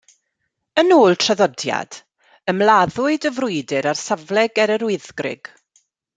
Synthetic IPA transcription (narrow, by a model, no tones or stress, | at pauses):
ənoːlˠtʰr̥aðɔdja̰d̥ | əmlˠaðʊɨdəvrʊɨdɪɾarsavlˠɛɡɛɾəɾʊɨðɡrɪ̰ɡ̥